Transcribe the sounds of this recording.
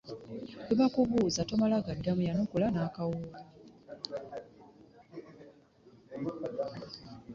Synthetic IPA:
eβakuβuːzatomalaɡadːamujanokulanaːkawuɾa

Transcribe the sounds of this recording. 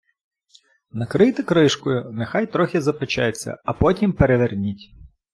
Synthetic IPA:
nɐkɾɪjt̪ɪkɾɪʃkʊjʊnexɑjt̪ɾɔxʲizɐpet͡ʃa̰jet͡sʲːɐ̰ɐpɔtʲimpeɾeʋernʲitʲ

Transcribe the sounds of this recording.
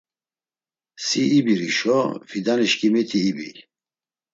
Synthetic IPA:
siːbiɾiʃɔvid̪aniʃkʰʼimit̪ʰiːbḭ

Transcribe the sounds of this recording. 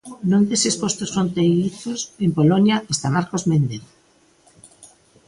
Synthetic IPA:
nõnd̪esespost̪osfɾont̪ejiθosempolonjaʔest̪amaɾkozmend̪eð

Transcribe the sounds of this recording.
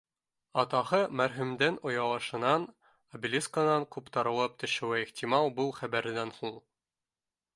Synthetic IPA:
ɑt̪ɑhɤmæɾɦʉ̆md̪ænŏjɑlˠɤ̆ʃɤ̆nɑn | ɐbʲilʲiskənɑŋkʉpt̪ɑɾɤ̆lˠɤp̚t̪ɵ̆ʃɘ̆wæiχt̪ʲimɑlˠbɤlˠχæbæɾɘ̆d̪ænhulˠ

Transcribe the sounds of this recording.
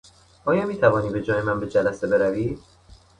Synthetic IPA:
ʔɒːjɒːmiːt̪ʰævɒːniːbe̞d͡ʒɒːje̞mænbe̞d͡ʒælæse̞be̞ɾæviː

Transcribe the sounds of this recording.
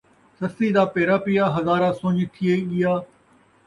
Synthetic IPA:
sɐst̪iːd̪aːpeːɾaːpɪjaːɦɐzaːɾãːsõːɲt̪ʰɪeːɠɪjaː

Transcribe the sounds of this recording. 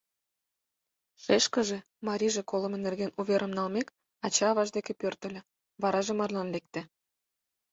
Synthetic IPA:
ʃeʃkə̆ʒĕ | mɑɾʲiʒĕkolə̆menerɣenuβeɾʔə̆mnɑlmek | ɑt͡ɕɑːβɑʒd̪ekepørt̪ə̆lʲĕ | βɑɾɑʒemɑrlɑnlek̚t̪ĕ

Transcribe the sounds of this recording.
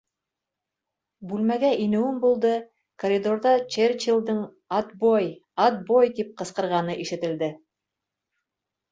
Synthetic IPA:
bʉlmæɡæʔinɘ̆wɘmbulˠd̪ɤ | koɾʲid̪oɾðɑt͡ʃerʲt͡ʃilˠd̪ɤɴ | ɑt̪bojɑt̪̚bojt̪ip̚qɤ̆sqɤ̆ɾʁɑnɤʔiʃɘ̆t̪ɘ̆ld̪ɘ

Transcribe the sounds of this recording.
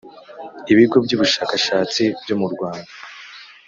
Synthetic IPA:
iβiɡo̞bɟuːβuʃaːkaʃaːt͡sibɟo̞muɾɡwaːnda

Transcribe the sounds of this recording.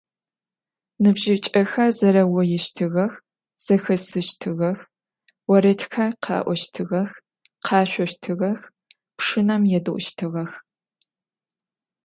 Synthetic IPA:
nɨbʒɪt͡ʃʼɐxɐrzɐɾɐwɔjɛʃtʰɨɣɐx | z̥ɐxɐsɨʃtʰɨɣɐx | wɐɾɐtʰxɐrqʰɑ̰ːʔʷɔʃtʰɨʁɐx | qʰɑːɕʷɔɕtʰɨɣɐx | pʂɨnɐmjɛdɨʔʷʊʃtʰɨʁɐx

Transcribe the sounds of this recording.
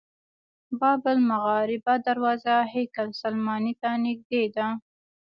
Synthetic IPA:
bɑbɪlmʊɣɑɾɪbad̪aɾwɑzahekalsalmɑnit̪anɪɡ̚d̪ed̪a

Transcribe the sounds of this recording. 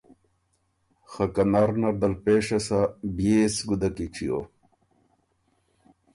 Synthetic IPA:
xɐkɐnaɾnɐɾd̪ɐlpeːʂɐsabijesɡud̪ɐkiʈ͡ʂʰijo̰

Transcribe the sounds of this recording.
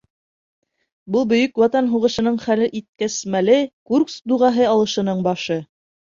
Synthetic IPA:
bɤlˠbɵ̆jɵkwɑt̪ɑnɦuʁɤ̆ʃɤ̆nɤɴχælɘʔit̪̚kæsmælɘkurksd̪uʁɑɦɤɑlˠɤ̆ʃɤ̆nɤɴbɑʃɤ

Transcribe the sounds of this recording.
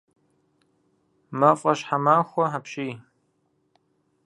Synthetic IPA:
mɐfʼɐʃħamaːxʷɔħapʃiː

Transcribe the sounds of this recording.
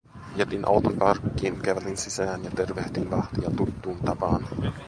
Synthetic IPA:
iet̪inʔɑ̰wt̪oŋkɑrkːiːnkæʋæt̪insisæːnjɑt̪erʋeht̪iːnʋɑht̪iɑt̪ut̪ːuːnt̪ɑpɑːn

